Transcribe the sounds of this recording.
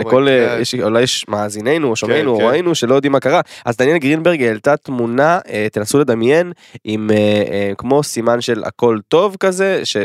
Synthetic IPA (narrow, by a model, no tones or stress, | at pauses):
leko̞ljɛʃulajeʃmaːzine̞jnuoʃomejnuoʁoenuʃe̞lojod̪imakaʁaazd̪anjelɡʁinbeʁɡalt̪at̪munaet̪enasule̞d̪amje̞n | imeekmo̞simanʃe̞la̰ko̞lt̪o̞vkaze̞ʃe